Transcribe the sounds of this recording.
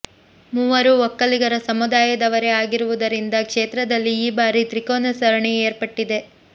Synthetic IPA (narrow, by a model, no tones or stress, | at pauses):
muːʋɐɾuɔkːɐliɡɐɾɐsɐmud̪aːjɐd̪ɐʋɐɾe̞aːɡiɾuʋud̪ɐɾind̪ɐkʂeːt̪ɾɐd̪ɐlːiːbaːɾit̪ɾikoːnɐsɐɾɐɳɛeːɾpɐʈːid̪e̞